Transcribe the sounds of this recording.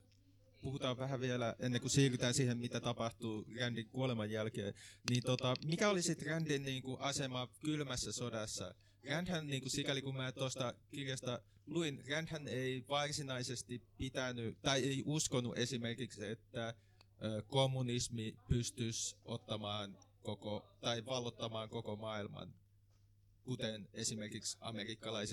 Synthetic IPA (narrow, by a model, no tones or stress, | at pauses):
puhut̪ɑːʋʋæɦæʋielæʔenːeŋkusiːryt̪æːnsiːhemmit̪æt̪ɑpɑht̪uːrændiŋkuolemɑjjælkḛːnniːnt̪ot̪ɑmikæolisit̪rændinniːŋkuʔɑsemɑkylmæsːæsodɑsːɑ̰ | rænd̪hænniːŋkusikælikummæːt̪ost̪ɑkirjɑst̪ɑ | luinrændhæneiʋɑrsinɑisest̪ipit̪ænyt̪ɑieiʔuskonṵʔesimerkikset̪ːæ | ʔøːkomːunismipyst̪ysʔo̰t̪ːɑmɑːnkokot̪ɑiʋɑlːot̪ːɑmɑːŋkokomɑːilmɑ̰n | kut̪enesimerkiksɑ̰merikːɑlɑise